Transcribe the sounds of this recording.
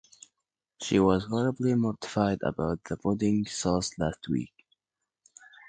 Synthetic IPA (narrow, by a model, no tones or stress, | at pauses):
ʃiwʌzhɔɹəblimɔɹtɪ̥faɪdə̰baʊt̪̚ðəbodɪ̃ŋsɔslæst̚ʰwḭk̚